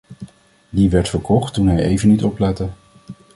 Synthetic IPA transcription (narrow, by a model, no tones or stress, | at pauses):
diʋɛɹtfəɹkʰɔχtːunɦɛjejvənːitɔplɛtə